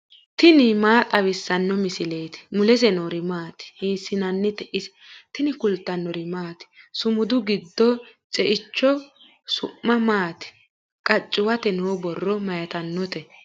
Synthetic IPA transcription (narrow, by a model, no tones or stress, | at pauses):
t̪ɪnɪmaːt̪ʼɐβɪsːɐnːɔmɪsɪleːt̪ɪ̥mʊlɛsɛnoːɾɪmaːt̪ɪ̥hiːsɪnɐnːɪt̪ɛʔɪsɛ̥ | t̪ɪnɪkʊlt̪ːɐnːɔɾɪmaːt̪ɪ̥sʊmʊd̪ʊɡɪd̪ːɔt͡sʼɛʔɪt͡ʃːɔ | sʊʔːɐmaːt̪ɪ̥ | kʼɐt͡ʃʼːɪwɐt̪ɛnoːbɔrːɔmɐjɐt̪ɐnːɔt̪ɛ